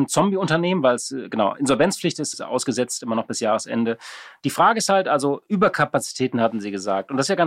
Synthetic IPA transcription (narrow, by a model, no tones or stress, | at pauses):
nt͡sɔmbiʊntɐneːmənvaɪlsɡ̥ənaʊʔɪ̰nzɔlvɛnt͡sflɪçtɪsta̰ʊsɡ̥əzɛt͡stʔɪmɐnɔχb̥ɪsjaːʁəsʔɛ̰ndəd̥iːfʁ̥aːɡəɪsthaltʔalzoʔyːbɐkʰapat͡si̥tʰɛːtn̩hatm̩ziːɡəza̰ːktʊntd̥asjaːɡa